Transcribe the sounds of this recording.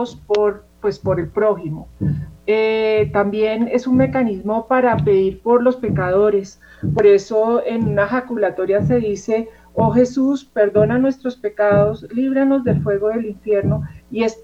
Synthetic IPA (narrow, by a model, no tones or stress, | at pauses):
ospoɾ | pwe̞spo̞ɾe̞lpɾo̞ximoet̪ambje̞ne̞sunme̞kanizmo̞paɾape̞ðiɾpo̞ɾlo̞spe̞kaðo̞ɾe̞s | po̞ɾe̞so̞enunaxakulat̪o̞ɾjase̞ðise̞ | oxe̞suspe̞ɾd̪o̞nanwe̞st̪ɾo̞spe̞kaðo̞sliβɾano̞zd̪e̞lfwe̞ɣo̞ðe̞liɱfje̞ɾno̞ie̞s